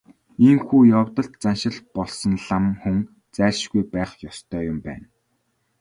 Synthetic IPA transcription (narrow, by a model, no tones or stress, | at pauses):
eŋxuːjɔwt̪ə̆ɬt̪t͡sanʃɪ̆ɮpɔɮsɞ̆nɮamxɵŋ | t͡sæːɮʃɡujpæːχjɔst̪ʰœːjʊmpæ̰ːn